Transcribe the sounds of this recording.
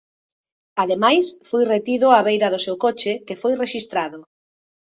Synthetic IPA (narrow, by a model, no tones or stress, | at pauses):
aðemajsfojret̪iðʊaβejɾɐðʊsewkot͡ʃɪkefojreʃist̪ɾaðʊ